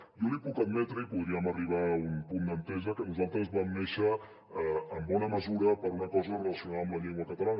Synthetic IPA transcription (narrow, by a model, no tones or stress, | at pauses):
jolipukəd̪mɛt̪ɾəipuðɾiəməriβ̞aunpund̪ənt̪ɛʒəkənuzalˠt̪ɾəzβamneʃəː | mbɔnəməzuɾəpəɾunəkɔzərələsiunaðəmləʎeŋɡwəkət̪əlan